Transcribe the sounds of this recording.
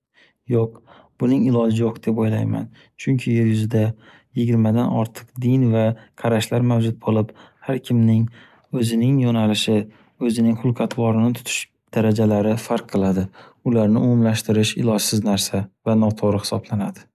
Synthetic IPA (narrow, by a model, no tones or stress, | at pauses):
joq̚ | b̥ʊnɪŋɪlˠɒd͡ʒɪjoqd̪̥e̞pojlajma̰n | t͡ʃʰʊŋkʲʰɪjeɾjʊzɪd̪a | jɪɡʲɪɾmad̪anɒ̰ɾt̪ʰɨ̥qd̪ɪnvaqʰɑɾaʃlaɾmawd͡ʒʊt̪̚bolˠɪphaɾkʲʰɪmnɪŋ | ɵzɪnɪŋjɒnalɪʃɪ | ɵzɪnɪŋχʊlˠqʰɑt̪ʰwɒɾɪnɪt̪ʰʊ̥t̪ʰʊ̥ʃ | d̪̥aɾad͡ʒalaɾɪfaɾqʰːɨlˠad̪ɪʊlaɾnɪʊmʊmlaʃt̪ɪɾɪʃɪ̰lˠɒd͡ʒsɪznaɾsavanɒt̪ʰoʁɾɨhɪ̥sɒblanad̪̥ɪ